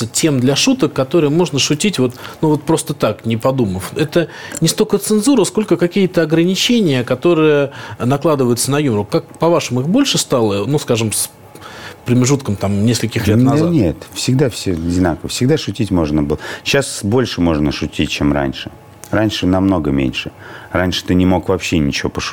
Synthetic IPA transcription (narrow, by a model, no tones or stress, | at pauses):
tʲe̞md̪lʲɐʂut̪əkːɐt̪o̞ɾɨjəmo̞ʐnəʂʊtʲitʲvo̞t̪nuvo̞t̪̚pɾo̞st̪ət̪aknʲɪpɐd̪uməfɛt̪ənʲɪst̪o̞kət̪sɨnzuɾəsko̞lʲkəkɐkʲijət̪əɐɡɾənʲɪt͡ɕenʲɪjəkɐt̪o̞ɾɨjənɐklˠad̪ɨvəjʊt̪sənɐjumɾʊkak̚pɐvaʂɨmɨxbo̞lʲʂɨst̪alˠənuskaʐɨms | pɾəmʲɪʐut̪̚kəmt̪amnʲeskəlʲkʲɪxlʲeznʲet̪fsʲɪɡd̪afsʲoɐdʲɪnakəvəfsʲɪɡd̪aʂʊtʲitʲmo̞ʐnəbɨlˠəɕasbo̞lʲʂɨmo̞ʐnəʂʊtʲit̚ʲt͡ɕemra̰nʲʂɨ | ranʲʂɨnɐmno̞ɡəmʲḛnʲʂɨranʲʂɨ̥t̪ɨnʲɪmo̞kvɐpɕːenʲɪt͡ɕɪvopəʂʊ̥